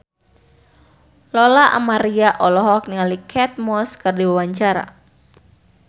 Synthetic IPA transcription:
lɔlaʔa̰maɾiaʔɔlɔɦɔk̚niŋalikʰɛt̪̚mɔskɨrdiwawaɲt͡ʃaɾa̰

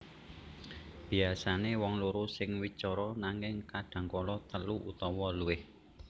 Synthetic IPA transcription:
b̥i̤asanewɔŋloɾusɪŋwit͡ʃɔɾɔnaŋɪŋkaɖ̪̥ä̤ŋkɔlɔt̪əluʔut̪ɔwɔluwɪh

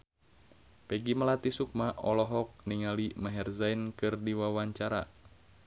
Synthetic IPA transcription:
pɛɡimalat̪isuk̚maʔɔlɔɦɔk̚niŋalimaɦɛrzainkɨrdiwawaɲt͡ʃaɾa̰

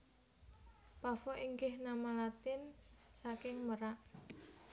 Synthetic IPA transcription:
pafɔʔiŋɡɪhnamalat̪ɪnsakɪŋməɾaʔ

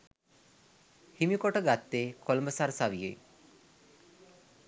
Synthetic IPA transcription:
himikoʈəɡat̪ːeːkʰolməsaɾsaʋijḛ

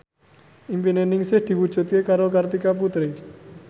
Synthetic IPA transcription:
impinenɪŋsɪhd̪̥i̤wud̥ʒ̥ṳt̪̚kekaɾokart̪ikap̬ut̪ɾɪ

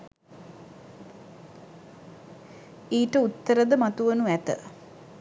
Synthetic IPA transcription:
iːʈəut̪ːəɾəd̪əmat̪uʋənuʋæt̪ə̰

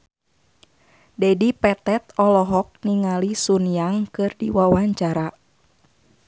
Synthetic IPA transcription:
dɛdipɛt̪ɛt̪̚ɔlɔɦɔk̚niŋalisunijaŋkɨrdḭwawaɲt͡ʃaɾa

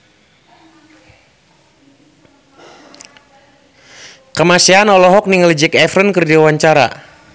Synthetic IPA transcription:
kəmasianɔlɔɦɔk̚niŋəld͡ʒɛkɛfɾənkərdiwawaɲt͡ʃaɾa̰

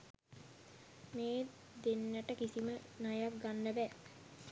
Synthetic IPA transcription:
meː | d̪enːəʈəkisimənajaʋɡanːəbɛː

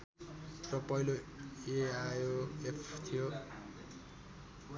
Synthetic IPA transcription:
rʌpʌiloeajoepʰt̪ʰijo

